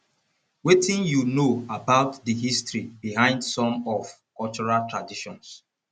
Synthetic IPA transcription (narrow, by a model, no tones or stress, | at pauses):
wetĩnjunoabaʊtdəɦistɹibihãɪ̃ndsɔ̃mɔv | kɔlt͡ʃɔɹaltɹadiʃɔ̃ns